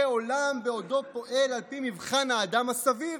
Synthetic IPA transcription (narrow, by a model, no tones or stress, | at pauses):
eo̞lambeo̞d̪o̞po̞ʔe̞lalpimivχanaːd̪amhasaviv